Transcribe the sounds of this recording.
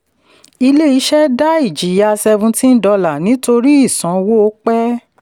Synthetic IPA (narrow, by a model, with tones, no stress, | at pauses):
i˧le˦i˨˦ʃɛ˦da˦i˦˨d͡ʒi˨ja˧sɛ˧vũ˧ti˦n̩˦dɔ˧la˨nĩ˨˦to˧ɾi˦i˦˨sɔ̃˨˦wo˦o˦k͡pɛ˦